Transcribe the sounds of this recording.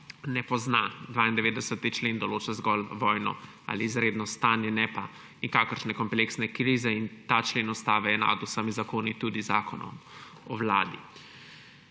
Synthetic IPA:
nɛpɔznad̪ʋaːind̪ɛʋeːd̪ɛsət̪it͡ʃleːnd̪ɔloːt͡ʃazɡɔlʋɔːjnɔ̰ | a̰liːzɾeːd̪nɔst̪aːnjɛnɛpa | nikaːkəɾʃnɛkɔmpleksnɛkɾiːzɛint̪at͡ʃleːnɔst̪aːʋɛjɛna̰d̪usamizakoːnit̪uːd̪iza̰ːkɔnɔ̰m | ɔwla̰ːd̪i

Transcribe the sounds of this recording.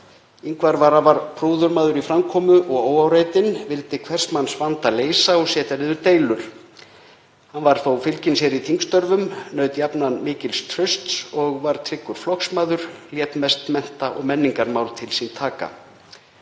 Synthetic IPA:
iŋkvaɾvaɾavaɾ̥pʰɾoːwðʏɾmaːðʏɾifɾamkʰɔːmʏʔɔɣoːwawɾaːjt̪ɪnvɪlt̪ɪkʰvɛr̥smanːsvant̪aleːjsaɔsɛːt̪aɾɪːðʏɾt̪eːjlʏɾ̥ | hanvaɾ̥θawfɪlcɪnsjɛɾit̪ʰiŋkst̪œɾvʏmnœːɥt̪japnanmɪːcɪlst̪ʰɾʏst̪sɔɣvaɾ̥t̪ʰɾɪkːʏɾ̥flɔksmaːðʏɾ̥ljɛt̪mɛst̪mɛn̥t̪aʔɔ̰ɣmɛnːiŋkaɾmaːwlt̪ʰɪlsint̪ʰaːka̰

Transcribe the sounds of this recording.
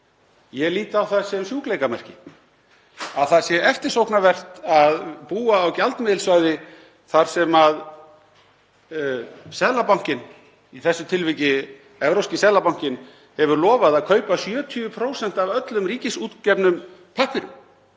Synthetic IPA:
jɛliːt̪aːwθaðsɛmsjuːklejkamɛr̥cɪ | aðθaðsjɛɛft̪ɪ̥sowknavɛr̥t̪aðpuːaːwcalt̪mɪðlsvœɥðɪ | θaɾ̥sɛmað | sɛðlapawŋ̥cɪn | iθɛsːʏt̪ʰɪlvɪcɪ | ɛvɾowscɪsɛðlapawŋ̥cɪn | hɛvʏɾlɔːvaðaðkʰœɥpasjœːt̪ʰyːvʏpʰɾoːwsɛn̥t̪avœt̪lʏmriːcɪsuːt̪cɛpnʏmpʰahpɪɾʏ̰m

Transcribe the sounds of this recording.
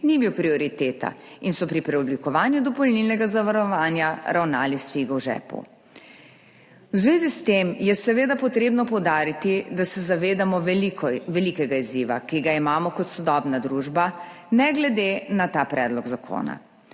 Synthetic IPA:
nibiwpɾiɔɾit̪eːt̪a̰insɔpɾipɾɛɔblikɔʋaːnjud̪ɔpɔlnilnɛɡazaʋaɾɔʋaːnjaɾawnaːlist̪ʋiɡɔwʒɛ̰ːpṵ | wzʋeːzist̪emjɛsɛʋeːd̪apɔt̪ɾeːbnɔpɔwd̪aːɾit̪id̪asɛzaʋeːd̪amɔ | ʋɛlikɛɡaiziːʋa̰kiɡaimaːmɔkɔt̪sɔd̪ɔːbnad̪ɾuːʒba | nɛɡlɛd̪enat̪aːpɾɛːd̪lɔɡzakʰo̰ːna̰

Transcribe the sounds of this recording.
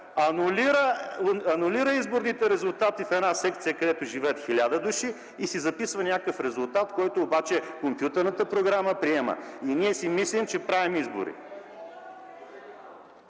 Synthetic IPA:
ɐnʊliɾəɐnʊliɾəizboɾnit̪ɛɾɛzʊlˠt̪at̪ifɛnasɛk̚t̪sijəkɐd̪ɛt̪ʊʒivɛːt̪xʲilʲad̪əd̪uʃiː | sizɐpisvənʲakəfɾɛzʊlˠt̪at̪kɔjt̪oːbat͡ʃɛkompjut̪ɛɾnət̪əpɾoɡɾaməpɾiɛmə̰iniɛsimislimt͡ʃɛpɾavimizbo̰ɾḭ

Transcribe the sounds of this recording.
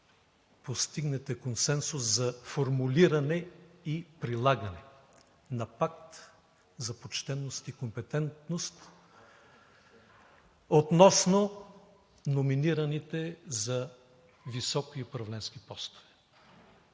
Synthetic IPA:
post̪iɡnɛt̪ɛkonsɛnsʊszɐfoɾmuliɾɐnɛipɾilˠaɡɐnɛ | nɐpakt̪ | zɐpot͡ʃt̪ɛnːost̪ikompɛt̪ɛnt̪nost̪ | ot̪nɔsno | nominiɾɐnit̪ɛzɐ | visɔkiopɾɐvlɛnskipɔst̪o̥vɛ̥

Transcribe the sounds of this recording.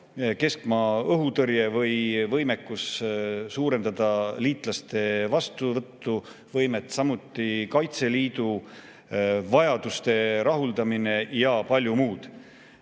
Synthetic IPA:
ke̞skmɑɤɦut̪ɤɾjevɤjvɤjmekːussuːɾe̞nd̪̥ɑd̪̥ɑliːt̪ˑlɑst̪e̞vɑst̪uvɤt̪ːu | vɤjmet̪ːˑsɑmut̪ːˑikɑjt̪se̞liːd̪̥u | vɑjɑd̪̥ust̪e̞ɾɑɦuld̪ɑmine̞jɑpɑlʲjumuːd̪̥

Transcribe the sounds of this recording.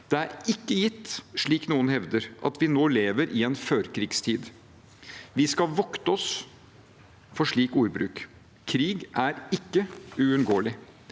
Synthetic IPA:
d̪̥ɛæɾɪkːəjɪt̪ːʂɭiːknuːənhɛʋd̪əɾʔɑ̰t̪ʋɪnoːleːʋəɾʔɪɛnføːɾkʰɾiːɡst̪ʰiːd̪ | ʋɪskɑlʋɔkt̪əɔs | fɔʂɭiːkuːɾbɾʉ̰ːk | kʰɾiːɡʔæɾɪkːəʉʉnɡoːlɪ

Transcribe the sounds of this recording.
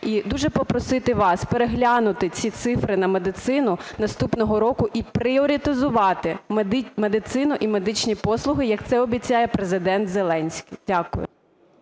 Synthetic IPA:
id̪uʒɛpɔpɾɔsɪt̪ɪʋɑspeɾeɦlʲanʊt̪ɪt͡sʲit̪sɪfɾɪnɐmed̪ɪt̪sɪnʊnɐst̪upnɔɦɔɾɔkʊʔipɾɪɔɾʲit̪ɪzʊʋɑt̪ɪmmed̪ɪt̪sɪnʊʔime̞d̪ɪt͡ʃnʲipɔslˠʊɦɪjɐkt̪sɛɔbʲit͡sʲajɛpɾezɪd̪ɛnt̪zelˠɛnʲsʲkʲijdʲakʊ̰jʊ̰

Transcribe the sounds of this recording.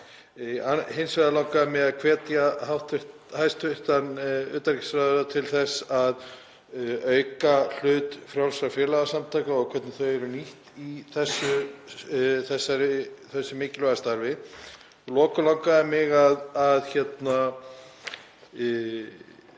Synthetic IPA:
aɦensvajðalawkaðɪmɪɣaðkʰvɛːt̪jaɦawht̪ʏht | hajst̪ʏht̪anʏːt̪aɾicsɾaððat̪ʰɪlθɛsað | œːɥkal̥ʏːt̪fɾjawlsɾawfjɛːlaɣasamt̪ʰajkaɔɣkʰvɛt̪nɪθœɥɛɾʏniht̪iθɛsːʏ | θɛsːaɾɪθɛsːʏmɪːcɪlvaɣast̪aɾvɪ | ɔlɔːkʏlawkaðɪmɪɣaðaðçɛt̪na

